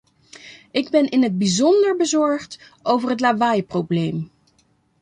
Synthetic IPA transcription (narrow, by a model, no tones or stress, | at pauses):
ɪɡbɛnɪnɦəd̚bizɔndəɹbəzɔɹχt | ʔowvəɹɦətlavajprowblejm